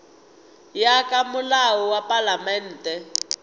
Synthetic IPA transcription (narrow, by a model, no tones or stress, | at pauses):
jakʼamulawɔwapalamɛn̩ːtʼɛ